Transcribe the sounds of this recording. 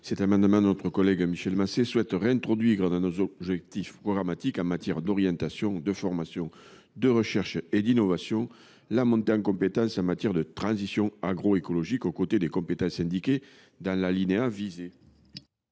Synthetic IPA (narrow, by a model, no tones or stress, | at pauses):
sɛt̪amɑ̃d̪əmɑ̃d̪ənɔt̪χəkɔlɛɡmiʃɛlmaseswɛt̪ʁeɛ̃nt̪χɔd̪ɥiʁd̪ãnozɔʒɛk̚t̪ifpχɔɡʁamat̪ikɑ̃mat̪jɛʁd̪ɔʁjɑ̃nt̪asjɔ̃d̪əfɔʁmasjɔ̃ | d̪əʁəʃɛʁʃed̪inɔvasjɔ̃ | lamɔ̃t̪eɑ̃ŋkɔ̃mpet̪ɑ̃sɑ̃mat̪jɛʁd̪ət̪χɑ̃zisjɔ̃aɡʁɔekolɔʒikokot̪ed̪ekɔ̃mpet̪ɑ̃sɛ̃nd̪ike | d̪ɑ̃lalineavize